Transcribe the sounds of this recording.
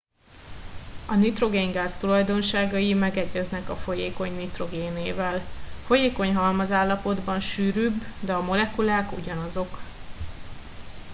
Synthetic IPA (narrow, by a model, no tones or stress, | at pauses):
ɒnit̪ro̞ɡeːŋɡaːst̪ulɒjd̪o̞nʃaːɡɒjimɛɡɛɟɛznɛkɒfo̞jeːko̞ɲnit̪ro̞ɡeːneːvɛlfo̞jeːko̞ɲɦɒlmɒzaːlːɒpo̞d̪bɒnʃyːɾyːbːd̪ɛɒmo̞lɛkulaːkṵɟɒnɒzo̞k